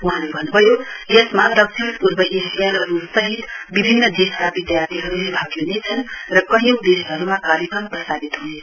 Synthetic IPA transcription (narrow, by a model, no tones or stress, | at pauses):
uɦãlebʱʌnːubʱʌjojʌsmad̪ʌk̚sʰinpuɾbʌʔesijalrupsʌɦit̪bibʱinːʌd̪esabid̪jart̪iɦʌɾulebʱʌɡjenet͡sʰʌnrʌkʌɦĩd̪esɦʌɾumakaɾjʌkrʌmprʌsaɡit̪ɦune